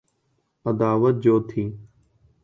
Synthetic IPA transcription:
əd̪aːʋət̪̚d͡ʑoːt̪ʰiː

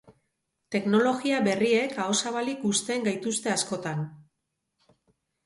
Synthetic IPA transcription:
t̪e̞kno̞lo̞ɣiaβe̞rie̞kao̞saβalikust̪e̞ːŋɡajt̪ust̪e̞asko̞t̪an

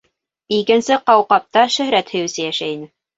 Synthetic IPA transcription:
ikɘ̆nsɘqɑwqɑp̚t̪ɑʃɵ̆hɾæt̪hɘ̆jɘ̆sɘjæʃæinɘ

